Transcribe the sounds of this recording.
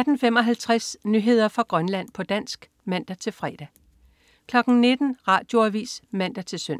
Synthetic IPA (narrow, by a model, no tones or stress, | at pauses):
d̥n̩femɒ̽ɦælt͡sʰʁasnyɦe̝ð̞̰ˠɐfʁɑ̈ɡ̥ʁɶnlæn̰pʰɒ̽d̥æn̰sɡ̥ | mæn̰d̥æt͡sʰe̝lfʁɛːd̥æ | kʰlɒ̽ɡ̥n̩ne̝d̥n̩ʁɑ̈ːd̥jo̝æʋḭːsmæn̰d̥æt͡sʰe̝lsøn̰